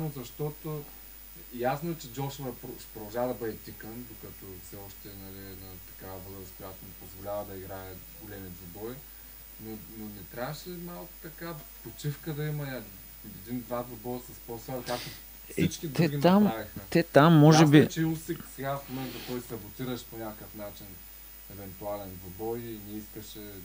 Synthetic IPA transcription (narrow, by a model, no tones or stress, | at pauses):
mozɐʃt̪ɔt̪o | jasnoɛt͡ʃɛd͡ʒɔʃovɐpɾoʃɛ̥pɾod̪ɐlˠʒavɐd̪ɐbɤd̪ɛt̪ʲikənd̪okɐt̪ɔfsɛɔʃt̪ɛnɐlinɐt̪ɐ̥kavɐvəskʊjat̪onipozvolʲavɐd̪ɐiɡɾaɛ | ɡolɛmit̪zɐbɔj | nononɛt̪ɾʲavəʃɛmalˠkʊ̥t̪ɐkapot͡ʃifkəd̪ɐimɐa | ɛd̪ind̪vad̪vɐbɔjɐsɐspɔsaɾkak̚t̪o | sɛit͡ʃkʲid̪ɛɡʲinamavixət̪ɛt̪amːɔʒɛbit͡ʃiusiksɛɡafmomɛnt̪ɐt̪ɔjsɐbot̪iɾəʃɛ̥ponʲakəfnat͡ʃin | ɛvɛnt̪ualɛnd̪vɐbɔjinɛiskəʃɛ